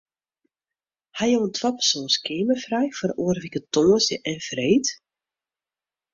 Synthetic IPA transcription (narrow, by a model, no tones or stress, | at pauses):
hajowəntʰwapə̥soːskʰeːməfrɛjfərʔuərʋikətoːsjəʔɛnfreːt